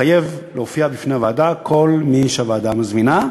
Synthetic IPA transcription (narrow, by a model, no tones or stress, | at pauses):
aje̞vleofiabifneavaːdakʰo̞lmiʃeavaːdamazmina